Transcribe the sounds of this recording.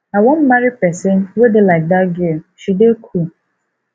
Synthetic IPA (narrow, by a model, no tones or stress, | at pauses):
awɔm̩maɾɪpɛsenwedɪlaɪk̚daɡɪʃudekʰu